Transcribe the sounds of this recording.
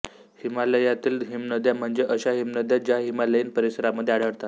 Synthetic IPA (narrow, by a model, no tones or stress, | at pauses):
himaləjat̪iːlɦimnəd̪jam̤əɳd͡zeʔəɕaɦimnəd̪jad͡ʑjaɦimaləjinpəɾisəɾaməd̪ʱːeaɽəɽt̪at̪